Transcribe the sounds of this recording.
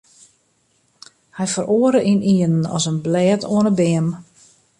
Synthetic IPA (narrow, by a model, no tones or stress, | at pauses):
hɛjfəɾʔoːəɾəʔinʔiənnɔ̰sənblɛːtʰoənəbɪəm